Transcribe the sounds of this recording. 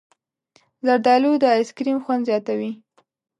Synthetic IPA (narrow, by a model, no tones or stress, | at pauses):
zaɾd̪ɑlud̪əskɾimxwand̪zjɑt̪awi